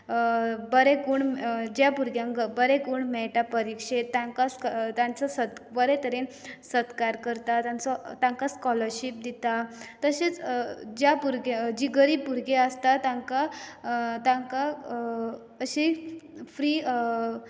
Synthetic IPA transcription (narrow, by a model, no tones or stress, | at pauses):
bəɾekuːɳmd͡ʑjapuɾɡjãŋɡbəɾekuːɳmɛɭʈapəɾikʂet̪ːãŋkast̪jãnt͡sɔsət̪bəɾɛt̪əɾensəd̪kaɾkəɾt̪at̪ãnt͡sɔt̪ãŋkaskɔləɾɕip̚d̪it̪at̪əɕet͡sd͡ʑjapuɾɡed͡ʑiɡəɾipuɾɡeəst̪at̪ãŋka | t̪ãŋka | əɕifɾiː